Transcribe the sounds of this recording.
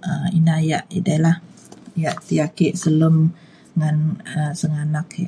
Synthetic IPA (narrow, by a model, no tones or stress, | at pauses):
ʔəinajaʔidalah | jaʔt̪ijakeʔsələm | ŋanəsəŋanaka